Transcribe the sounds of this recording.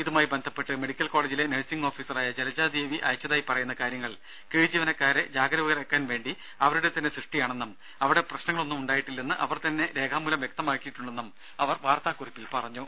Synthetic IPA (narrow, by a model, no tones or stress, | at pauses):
iðumaːjibend̪ʱɐpːe̞ʈːɨmeɽikʲːɐlko̞ːɭeːd͡ʑile̞neɭsiŋɡo̞ːfiːsɐraːjɐd͡ʑelɐd͡ʑaːd̪eːʋiʔɐ̰jɐt͡ɕːɐðaːjipɐrɐjunːɐkaːɾjɐŋːɐɭ | kiːɻd͡ʑiʋɐnɐkːaːɾed͡ʑaːɡɐɾɐʋuɣɐrekːaːnʋe̞ːɳɖi | ɐʋɐɾuɽe̞t̪ɐnːe̞srɨʂʈijaːɳenːɐm | ɐʋiɽe̞prɐɕnɐŋːɐɭo̞nːumuɳɖaːjiʈːilːenːɨʔɐʋɐrt̪ɐnːe̞ɾe̞ːɡʰaːmːulɐmʋje̞k̚t̪ɐmaːkːijiʈːuɳɖe̞nːɐm | ɐʋɐrʋaːrt̪aːkːuripːilpɐrɐɲːoː